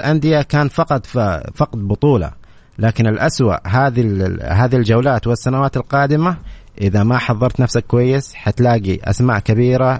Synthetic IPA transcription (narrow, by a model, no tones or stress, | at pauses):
lʔand̪ɪjakaːnfɑqɑt̪ˤfɑqd̪̚bʊt̪ˤuːlɑ̰ | laːkɪnɪlʔaswa̰ʔɦaːðiɦaːðild͡ʒawlaːt̪wɪsːanawaːt̪ɪlqɑːd̪ɪmaʔɪðamaħɑðˤːɑɾˤt̪nafsakːwajːɪsħat̪laːɡiʔa̰smaːʔkabiːɾa